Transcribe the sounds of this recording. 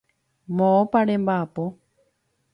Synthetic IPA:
mõopaɾembapo

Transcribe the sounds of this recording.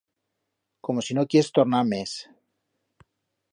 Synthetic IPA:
ko̞mo̞sinokjest̪oɾnaɾmes

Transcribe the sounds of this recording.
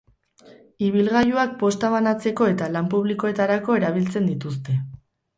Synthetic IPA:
iβilɣajuak̚po̞st̪aβanat͡se̞ko̞e̞t̪alampuβliko̞e̞t̪aɾako̞e̞ɾaβ̞ilt͡se̞nd̪it̪us̬t̪e̞

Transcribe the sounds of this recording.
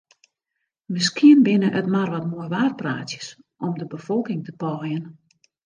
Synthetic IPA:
mɪskʰiənbɪnəʔətmarʋɔtmoəjʋaːr̚praːtjə̥s | ɔmdəbəfɔlˠkɪŋtəpɔːjən

